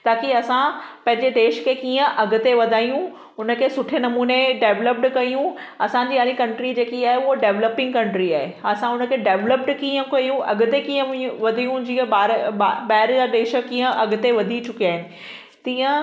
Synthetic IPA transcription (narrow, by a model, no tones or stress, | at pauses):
t̪aːkiɐsãpɐ̃ɦɪ̃ɲd͡ʑeɖeːʃkʰekiːə̃ʔɐɡʱʊ̆t̪eʋɐd̪ʱaːijũ | ʊnəkʰeːsʊʈʰenɐmuːneɖeːʋləp̚ʈkɐijũɐsãɲd͡ʑiːaːɾikɐ̃ɳʈɾid͡ʑeːkiaːɦeʊɦoɖeːʋləpɪ̃ŋɡkɐ̃ɳʈɾiaːɦeɐsãʊnəkʰeɖeːʋləp̚ʈkiːə̃kɐjũɐɡʱʊ̆t̪ekiːə̃ʋɐd̪ʱijũd͡ʑiːə̃aːɾbaːɦɪɾd͡ʑaɖeːʃə̆kĩːə̃ɐɡʱʊt̪eʋɐd̪ʱit͡ɕʊkiaːɦɪnɪ̆ | t̪iːə̃